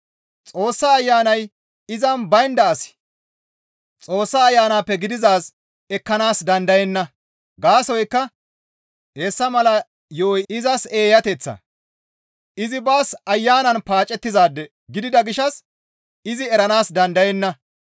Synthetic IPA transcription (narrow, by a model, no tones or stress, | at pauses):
t͡sʼo̞ːsːaːjːaːnɐj | ɪzɐnbɐjnd̪ɐːsɪ̥ | t͡sʼo̞ːsːaːjːaːnaːpːɛɡɪd̪ɪzaːs | ɛkːɐnaːsd̪ɐnd̪ɐjɛnːɐ | ɡaːsɔjkːɐ | eːsːɐmɐlɐ | joːjɪzɐse̞ːjɐt̪ɛt͡sːɐ̰ | ɪzɪbaːsɐjːaːnɐnpaːt͡ʃʼːɛt̪ːɪzaːd̪ːɛ | ɡɪd̪ɪd̪ɐɡɪʃɐs | ɪzɪɛɾɐnaːsd̪ɐnd̪ɐjɛnːɐ